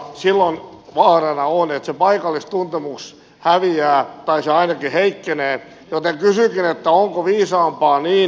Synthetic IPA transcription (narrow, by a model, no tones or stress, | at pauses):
silːonʋɑːrenɑonet̪sepɑikɑlːist̪unt̪emuks | hæʋiæːt̪ɑisɑinɑkiheikːeneː | jot̪eŋkysykinet̪ːæoŋkoʋiːsɑːmpɑːniː